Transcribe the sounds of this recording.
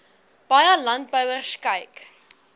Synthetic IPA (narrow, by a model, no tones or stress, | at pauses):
b̥ɑjəlɐnt̚bœwərskəjk